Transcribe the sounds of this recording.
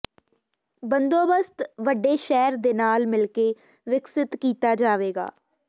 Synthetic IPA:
bənd̪oːbəst̪ʋəɖeːʃɛːɾd̪eːnaːlmɪlkeː | ʋɪksɪt̪kiːt̪aːd͡ʒaːʋeːɡa̰ː

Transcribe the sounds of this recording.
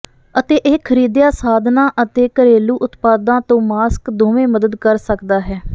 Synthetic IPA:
ət̪eːʔeːkʰəɾiːd̪jaːsaːd̪ʱnãːʔət̪eːkəɾeːluːʔʊt̪paːd̪ãːt̪õːmaːskd̪oːʋẽːməd̪əd̪kəɾsəkd̪aːɦɛː

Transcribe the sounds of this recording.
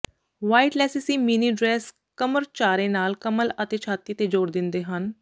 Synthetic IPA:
ʋaːiʈlɛːsɪsiːminiːɖɾɛːs | kəməɾt͡ʃaːɾẽːnaːlkəmələt̪eːt͡ʃʰaːt̪ːiːt̪eːd͡ʒoːɾd̪ɪnd̪eːɦən

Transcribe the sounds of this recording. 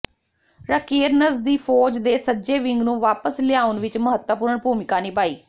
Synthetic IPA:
ɾəkeːɾnəzd̪iːpʰɔːd͡ʒd̪eːsəd͡ʒeːʋɪŋɡnũːʋaːpəslɪjaːʊnʋɪt͡ʃməɦət̪wəpʊɾəɳbʱuːmɪkaːniːpaːiː

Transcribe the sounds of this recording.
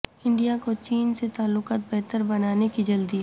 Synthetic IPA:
ɪ̃ɳɖijakot͡ʃiːnset̪aːlːʊqaːt̪̚bɛɦt̪əɾbɐnaːnekid͡ʒɐld̪i

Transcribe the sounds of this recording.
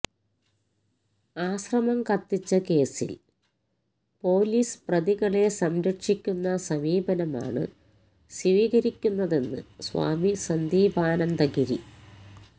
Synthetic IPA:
aːɕrɐmɐmkɐt̪ːit͡ɕːɐke̞ːsḭl | po̞ːliːsprɐðiɣɐɭe̞sɐmɾɐʈʂikʲːunːɐsɐmiːbɐnɐma̰ːɳɨ̰ | siʋiːɣɐɾikʲːunːɐðe̞nːɨ̰swa̰ːmisɐnd̪iːbʱaːnɐnd̪ɐɡiɾi

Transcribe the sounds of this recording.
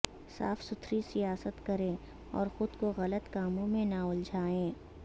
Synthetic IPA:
sa̰ːfsʊt̪ʰɾisijaːsət̪kɐɾẽː | ɔ̰ːɾxʊd̪koɣɐlət̪kaːmõmẽnaʊld͡ʒʱaːẽː

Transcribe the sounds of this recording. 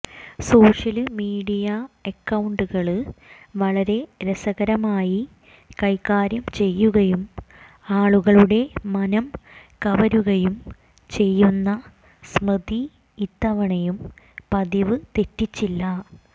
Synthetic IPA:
so̞ːʂɐlɨmiːɽijɐekːɐwɳɖuɣɐɭʋɐɭɐɾe̞ɾesɐɣɐɾɐmaːji | kɐjkːaːɾjɐmt͡ɕe̞jːuɣɐjum | aːɭuɣɐɭuɽe̞mɐnɐmkɐʋɐɾuɣɐjum | t͡ɕe̞jːunːɐ | smrɨd̪iː | t̪ːɐʋɐɳɐjum | pɐðiʋɨt̪e̞tːit͡ɕːilːɐ

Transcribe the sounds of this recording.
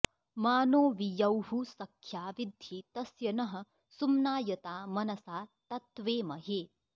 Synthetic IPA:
maːnoːʋijɐwɦusɐkʰːjaːʋid̪ʱjit̪ɐsjɐnɐɦɐ̆ | sumnaːjɐt̪aːmɐnɐsaːt̪ɐt̪ʋeːmɐɦeː

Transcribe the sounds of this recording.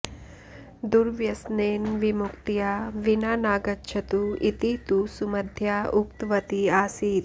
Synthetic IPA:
d̪uɾʋjɐsneːnʋimukt̪ijaːʋinaːnaːɡɐtːʃʰɐt̪uit̪it̪usumɐd̪ʱjaːʔukt̪ʋɐt̪iaːsiːt̪

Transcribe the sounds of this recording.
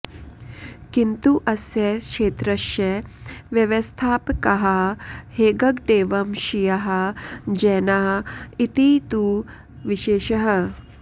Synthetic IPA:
kint̪uʔɐsjɐkʂeːt̪ɾɐʃjɐʋjɐʋɐst̪ʰaːpkɐɦɐheːɡɐɡɖ̪eːʋɐmʃijɐɦɐd͡ʒɛːnaːit̪it̪u | ʋiʃeːʃɐɦɐ

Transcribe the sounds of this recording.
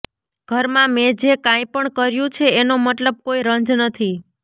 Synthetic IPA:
ɡ̥ʱəɾmãmed͡ʒekãj̃pəɳkəɾjũt͡ʃʰeːnomət̪ləb̚koiɾənd͡ʒnət̪ʰi

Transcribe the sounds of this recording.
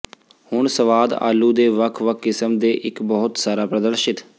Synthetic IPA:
hʊɳsəʋaːd̪a̰ːlːuːd̪eːʋəkʰʋəkʰːɪsəmd̪eːʔɪkbɔɦʊt̪saːɾaːpɾəd̪əɾʃɪt̪

